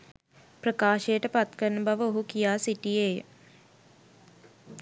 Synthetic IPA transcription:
prəkaːʃejəʈəpat̪kəɾnəbaʋəoɦukijaːsiʈijejə

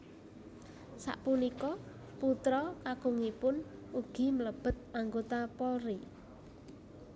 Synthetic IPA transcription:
sa̰ʔpunikɔ | put̪ɾɔkaɡ̥oŋipʊnuɡ̥i̤mələb̥ə̤t̪̚aŋɡot̪apɔlri

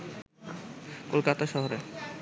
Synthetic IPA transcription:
kolkat̪aʃɔɦoɾe

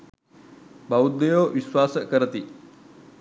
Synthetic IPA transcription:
bɐud̪ːejoːʋiswaːsəkəɾət̪i

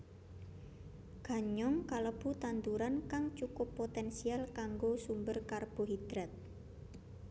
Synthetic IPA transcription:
ɡ̥a̤ɲɔŋkaləb̥ṳt̪ant̪uɾankaŋt͡ʃukʊpːot̪ɛnsialkaŋɡosumbərkarb̥o̤ɦid̪̥ɾat̪̚

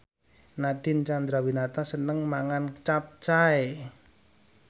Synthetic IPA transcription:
naɖ̥ɪ̤nt͡ʃand̪ɾawinat̪asənəŋmaŋant͡ʃap̚t͡ʃae

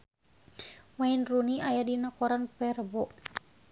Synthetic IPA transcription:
mainruniajadinakɔɾanpɛrbɔ

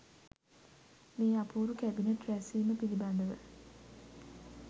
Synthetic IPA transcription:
meːapuːɾukæbineʈɾæsiːməpiliband̪əʋə

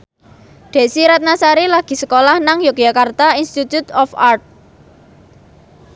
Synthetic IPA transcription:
d̪̥e̤siɾat̪̚nasaɾilaɡ̥i̤səkolahnaŋjok̚j̥akart̪ainst̪it̪jut̪ɔfart̪̚

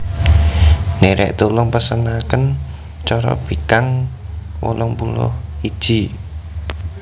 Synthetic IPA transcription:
neɾɛ̰ʔt̪ulʊŋpəsənakən | t͡ʃɔɾɔ̰b̥i̤kaŋ | wɔ̰lɔŋpulʊ̰hid̥ʒ̥i̤

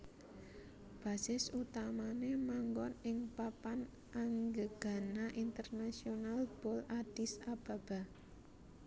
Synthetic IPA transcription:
b̥ä̤sɪsut̪amanemaŋɡɔnɪŋpapan | ʔaŋɡəɡ̥a̤naʔint̪ərnasionalb̥ɔlad̥isab̥a̤b̥a̤

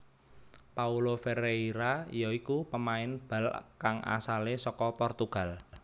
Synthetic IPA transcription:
paulofeɾeiɾajɔikupəmaɪnb̥a̤lkaŋʔa̰salesɔkɔpɔrt̪uɡ̥a̤l

